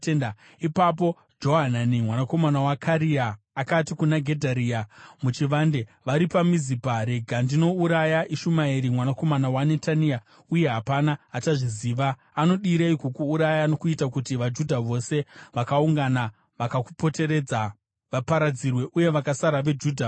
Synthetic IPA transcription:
en | ipap̬o̞ | d͡ʒo̞ɦananimwanako̞manawakʰaɾiaː | katikunaɡʱe̞dʱaɾiːamut͡ʃiʋande̞ | ʋaɾipamizipaɾe̞ɡʱandino̞uɾajaʔiʃumaiɾimwanako̞manawane̞tania | uje̞ɦapanaataʐiziːʋaː | no̞ɗiɾeikukuːɾajano̞kuitakutiʋad͡ʒudʱaʋo̞se̞ʋakauŋɡana | ʋakakupo̞te̞ɾe̞d͡za | ʋapaɾad͡zirwe̞ʔuje̞ʋakasaɾaʋe̞d͡ʒuːdʱa

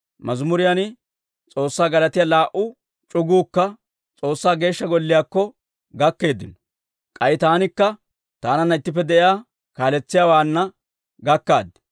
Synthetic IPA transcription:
mʔɐzmʊɾɪjanɪ | t͡sʼo̞ːsːaːɡɐlɐt̪ɪjalaːʔʊ | t͡ʃʼʊɡuːkːɐ | t͡sʼo̞ːsːaːɡe̞ːʃːɐɡɔlːɪjaːkːɔ | ɡɐkːe̞ːd̪ːɪnɔ̥ | kʼɐjɪt̪aːnɪkːɐ | t̪aːnɐnːɐɪt̪ːɪp̬ːɛd̪ɛʔjaː | kaːlɛt͡sːɪjaːwaːnːɐ | ɡɐkːa̰ːd̪ːɛ̥

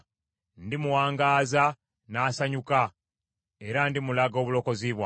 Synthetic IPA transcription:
ndimuwaːŋɡaːza | naːsaɲuka | e̞ɾandimulaɡo̞ːβulo̞ko̞ziβwa

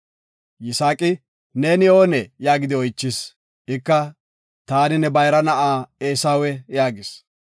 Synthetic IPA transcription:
jɪsaːkʼɪ | neːnɪo̞ːnɛjaːɡɪd̪ɪɔjt͡ʃːɪs | ɪkːɐ | t̪aːnɪnɛbɐjɾɐnɐʔaːeːsaːwɛjaːɡɪs

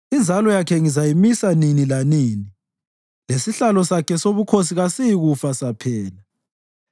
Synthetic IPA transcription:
ind͡zʱalɔjakʰɛŋizajimisaninilanini | lesiɬalɔsakʰɛsoβukʰos̬iɣasijiɣufasapʰɛːla

